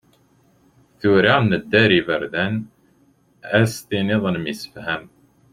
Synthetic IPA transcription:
θuːɾɑːnnəd̪æɾiːvæɾd̪æn | æst̪iːniðˤənmisfɦæm

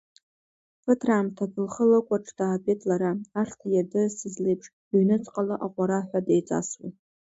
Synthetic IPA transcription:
pʰɨtʰraːmtʰapʰɨlχəlɨkʷʼaʈ͡ʂʰʼdaːpʼetʼʰlaɾaaʂtʰajardɨsizlejpʰʂ | ɥnɨt͡sʼqʼalɨʔaqʷʼaɾaħʷadejt͡sʼa̰swa̰

